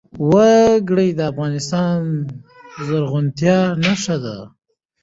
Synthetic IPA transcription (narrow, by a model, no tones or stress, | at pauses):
waɡɽəjd̪əafɣɑnɪst̪ɑn | zaɾɣʊnt̪jɑnaʂad̪a̰